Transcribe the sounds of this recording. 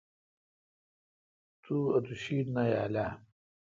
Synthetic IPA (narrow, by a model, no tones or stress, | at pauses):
t̪ʰuɐt̪uɕiːd̪naja̰la